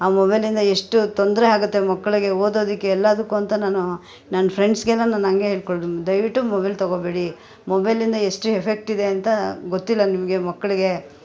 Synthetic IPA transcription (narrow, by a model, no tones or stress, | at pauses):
aːmobɐjlind̪ɐeʂʈut̪ond̪ɐɾeaːɡut̪ːe̞mɐkːɐɭiɡe̞oːd̪o̞ːd̪ikːeːlːɐd̪ɐkːuɐnt̪ɐnaːnu | nɐnːɐpʰɾeɳɖsɡɛlːɐnaːnɐŋɡeɦeːɭkoɭud̪ɐjʋiʈːumobɐjlt̪ɐɡobeːɽi | mobɐjlind̪ɐeʂʈuepʰe̞k̚ʈid̪e̞ɐnt̪ɐɡot̪ːilːɐnimɐɡe̞mɐkːɐɭiɡe̞